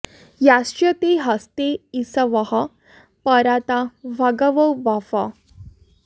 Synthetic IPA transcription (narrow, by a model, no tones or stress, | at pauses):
jast͡ɕət̪eɦəst̪eisəʋəɦa | pəɾat̪aʋʱəɡəʋəwbafa